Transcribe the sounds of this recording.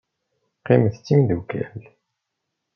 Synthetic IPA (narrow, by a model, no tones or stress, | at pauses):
qiməθt͡sːimiðukæ̰l